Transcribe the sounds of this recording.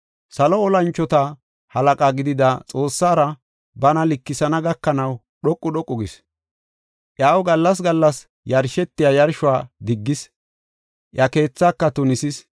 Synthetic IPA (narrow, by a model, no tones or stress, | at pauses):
sɐlɔɔlɐnt͡ʃːɔt̪ɐ | hɐlɐkʼaːɡɪd̪ɪd̪ɐt͡sʼo̞ːsːaːɾɐ | bɐnɐlɪkːɪsɐnɐɡɐkːɐnɐw | ɗɔkʼːʊɗɔkʼːɔɡɪs | ʔjaːwɡɐlːɐs̬ɡɐlːɐs | jɐɾʃɛt̪ːɪjajɐɾʃʊwaːd̪ɪɡːɪs | ʔjɐke̞ːt͡sːaːkːɐt̪ʊnɪsɪs